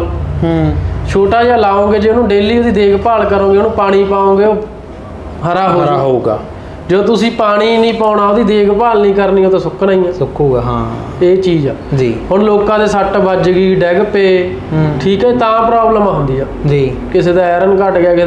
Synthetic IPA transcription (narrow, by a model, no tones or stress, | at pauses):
t͡ʃʰoːʈaːd͡ʒaːlaːõːŋɡeːd͡ʒeːnũːɖeːliːoːd̪iːd̪eːkpaːlkəɾõːɡeːnũːpaːɽ̃iːpaːõːɡeːoː | ɦəɾaːɦoːoɡaː | d͡ʒəːt̪ʊsĩːpaːɽ̃iːnĩːpaːnaːoːd̪iːd̪eːɡpaːlnĩːkəɾniːoːt̪ãːsʊkʰnaːĩːãːʊkʰoːɡɦã | eːt͡ʃiːd͡ʒɛ̰ːd͡ʒiːɦʊnloːkãːd̪eːsəʈbəd͡ʒɡiːɖɛːɡpeː | ʈʰiːkɛeːt̪ãːpɾaːbləmãːɦʊ̃nd̪iːaːd͡ʒiː | kɪseːd̪aːɛːɾənkəʈɡɪaːke